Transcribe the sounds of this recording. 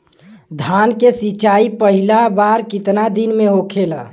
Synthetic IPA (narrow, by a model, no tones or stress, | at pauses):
d̪ʱankesit͡ʃaipəɦilabaɾkɪt̪nad̪inmeɦokʰela